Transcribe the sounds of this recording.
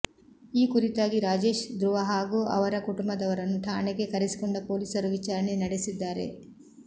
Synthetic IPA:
iːkuɾit̪aːɡiɾaːd͡ʒe̞ːʃd̪ɾuʋɐɦaːɡuʔɐ̰ʋɐɾɐkuʈumbɐd̪ɐʋɐɾɐnːuʈʰaːɳeɡekɐɾesi̥koɳɖɐpoːliːsɐɾuʋit͡ʃaːɾɐne̞nɐɽesid̪ːaːɾe̞̰

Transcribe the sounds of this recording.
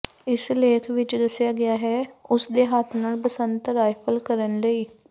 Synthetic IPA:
ɪsleːkʰʋɪt͡ʃd̪əsjaːɡɪjaːɦɛːʊsd̪eːɦaːt̪ʰnaːlpəsə̃nt̪ɾaːjpʰəlkəɾənləiː

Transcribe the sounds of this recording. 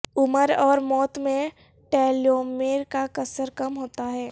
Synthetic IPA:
ʊməɾɔːɾmɔːt̪mẽ | ʈɛːloːmeːɾkakɐsəɾkɐmɦoːt̪aɦɛː

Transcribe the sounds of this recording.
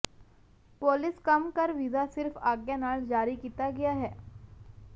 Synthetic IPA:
poːlɪskɐmkəɾʋizasɪɾfaːɡjãnaːld͡ʒaːɾikiːt̪aɡɐjaɦɛː

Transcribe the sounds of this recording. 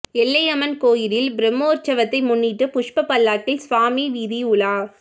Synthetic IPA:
ɛlːɐjɐmɐnkoːjɪɾɪlbɪɾɛmːoːɾt͡ʃːɐʋɐt̪ːɐɪmʊnːiʈːɯpʊʂpɐpːɐlːaːʈːɪlsʋaːmiʋiːðiʊɭaː

